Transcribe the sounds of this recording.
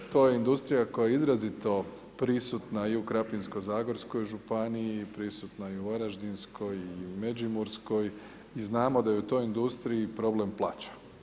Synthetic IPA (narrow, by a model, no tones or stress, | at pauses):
t̪o̞ːje̞ind̪ust̪ɾijako̞jaeizɾazit̪o̞ | pɾisut̪naiukɾapinskozaːɡo̞ɾsko̞jʒupaniipɾisut̪naiuʋaɾaʒd̪insko̞jimed͡ʒimuɾsko̞j | iznaːmo̞d̪ajeut̪o̞jind̪ust̪ɾiipɾo̞ble̞mplˠat͡ɕḁ